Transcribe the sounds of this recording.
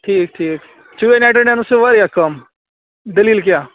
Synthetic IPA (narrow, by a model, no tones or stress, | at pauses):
ʈʰiːk̚ʈʰiːk | t͡ʃuʋenaːʈəɖɛ̃nuseʋɐɾjakɐm | d̪ɐliːlkjaː